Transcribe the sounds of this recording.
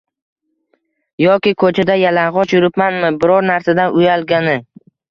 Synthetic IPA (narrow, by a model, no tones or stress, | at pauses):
jɒkʲɪkʰɵt͡ʃʰad̪ajalaŋʁɒt͡ʃjʊɾɪpmanmɪbɪɾɒɾnaɾsad̪anʔʊjalˠɡʲanɪ